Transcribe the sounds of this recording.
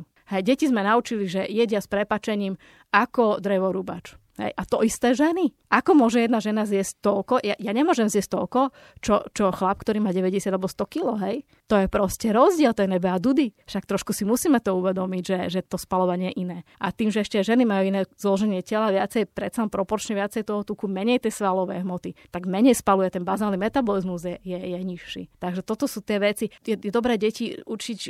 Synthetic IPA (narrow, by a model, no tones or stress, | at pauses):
hɛjɟɛcizmɛnaut͡ʃiliʒɛjɛɟɪaspɾɛpaːt͡ʃɛɲiːm | akɔd̪ɾɛʋɔɾuba̰t͡ʃ | ɦɛ̰jʔat̪ɔist̪ɛːʒɛniʔakɔmʊɔʒɛjɛd̪naʒɛnazjɛsc̚t̪ɔlkɔjajaɲɛmʊɔʒɛmzjɛsc̚t̪ɔlkɔ | t͡ʃɔt͡ʃɔxlap̚kt̪ɔɾiːmaːɟɛʋɛɟɛsjad̪alɛbɔst̪ɔkilɔɦɛj | t̪ɔjɛpɾɔscɛɾɔzɟɪɛlt̪ɔjɛnɛbɛad̪ud̪iʃakt̪ɾɔʃkusimusiːmɛt̪ɔuʋɛd̪ɔmiɟʒɛʒɛt̪ɔspalɔʋaɲɪɛjɛʔinɛːʔat̪iːmʒɛɛʃcɛʒɛnimajuinɛːzlɔʒɛɲɪɛcɛlaʋɪat͡sɛjpɾɛt̪salɛnpɾɔpɔɾt͡ʃɲɛʋɪat͡sɛjt̪ɔɦɔt̪ukumɛɲɛjt̪ɪɛsʋalɔʋɛ̰ːɦmɔt̪it̪aɡmɛɲɛjspalujɛt̪ɛnbazaːlnimɛt̪abɔlizmuzjɛjɛjɛɲiʃːḭt̪aɡʒɛt̪ɔt̪ɔsuːt̪ɪɛʋɛt͡sijɛjɛd̪ɔbɾɛːɟɛciut͡ʃic